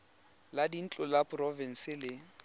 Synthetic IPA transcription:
ladin̩t͡ɬʼʊlapʼrɔvɛn̩sɪlɪ

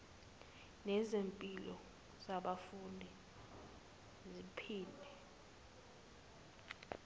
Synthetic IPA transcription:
nɛzempʼilɔ̰ | z̥aɓafundʱi | zipʰiːlɛ

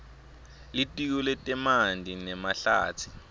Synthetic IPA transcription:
litʼik̬ɔlɛtʼɛmandʱinɛmaɬaːt͡sʰi̥

